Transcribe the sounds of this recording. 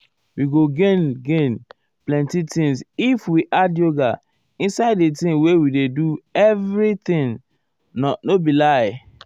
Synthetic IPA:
wiɡoɡẽnɡẽn | plɛ̃ntitĩŋsifwiʔadjoɡa | ĩnsaɪdetĩnwewideduɛvɾit̪ĩn | nɔnobilaɪ

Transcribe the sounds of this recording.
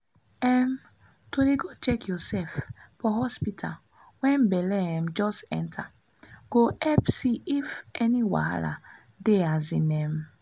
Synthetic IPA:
ɛm | toɾeɡot͡ʃɛkjɔsɛffɔɦɔspitʰa̰l | wɛ̃mbɛlɛɛ̃m̩d͡ʒɔsɛ̰̃ntʰa | ɡ̥oʔɛpsiifɛniwa̰a̰la̰ | deazinɛm

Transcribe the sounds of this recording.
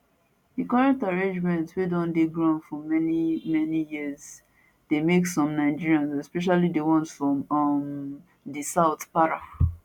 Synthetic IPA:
dikɔɹɛ̃ktaɹẽnd͡ʒmɛ̃ntswedɔ̃ndeɡɹãnfɔmɛnimɛnijiz | demeksɔ̃mnaɪd͡ʒiɹiãnsɛspɛʃ̬alidewɔ̃nsfɹɔ̃mʌm | disaʊtpaɹa

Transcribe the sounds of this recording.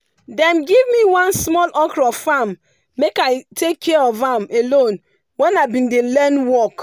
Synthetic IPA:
dɛ̃mɡivmiwãnsmɔlʔɔkɾɔfamː | ekaɪtʰekʰːɛɔvamelõn | wɛnaɪbĩndelɛnwɔk

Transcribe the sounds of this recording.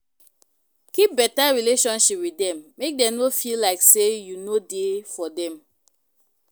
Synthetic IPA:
kip̚bɛtaɹileʃɔ̃nʃipwidɛ̃mːek̚dɛ̃nofilaɪksejunodefɔdɛ̃m

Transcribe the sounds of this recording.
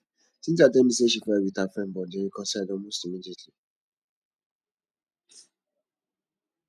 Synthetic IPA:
tinadɛmĩseʃ̬ifɛɛwitafɛm̩bɔdeɾikɔsɛdɔmostimid͡ʒetli

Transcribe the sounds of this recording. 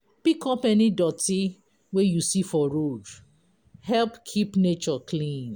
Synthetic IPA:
pikɔpɛnidɔti | wejusifɔɹod | hɛlpkʰipnet͡ʃɔkʰlĩn

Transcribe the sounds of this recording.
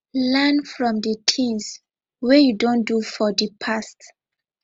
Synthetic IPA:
lanfɹɔ̃mdətʰĩns | wɛjudõndufɔdipʰast

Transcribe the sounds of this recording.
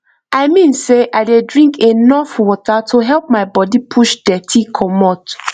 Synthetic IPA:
aɪmĩnseʔaɪdedɹĩŋkʰenɔfwɔtatʰoɦɛlp̚maɪbɔdipʰuʃdɛtʰikʰɔmɔt

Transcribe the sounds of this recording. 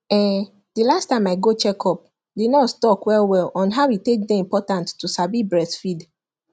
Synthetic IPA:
ɛ̃ | dilastãɪmaɪɡot͡ʃɛkʰɔp̚ | denɔstɔkwɛlˠwɛlɔ̃nɦaʊitek̚deĩmpɔtãnttːusabibɹɛsfid

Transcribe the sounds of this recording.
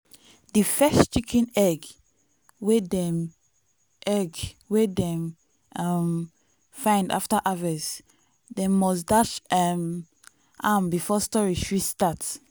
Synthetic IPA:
difɛst͡ʃikʰĩnɛɡ | wedɛm | ʔɛɡwedɛ̃m | am | fãɪ̃nda̰ftaʔavɛs | demɔsdat͡ʃɛm | ʔambifɔstɔɹiʃɹistat

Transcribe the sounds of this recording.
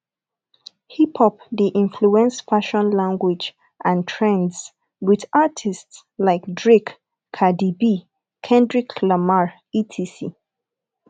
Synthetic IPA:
hipʰɔp̚diʔĩnfluɛ̃nsfaʃɔ̃nlãŋɡwid͡ʒ | ʔãntʰɹɛ̃ndz | wiðatʰists | laɪkdɹikʰː | adibi | kʰɛ̃ndɹikʰlamaɹ | itʰisi

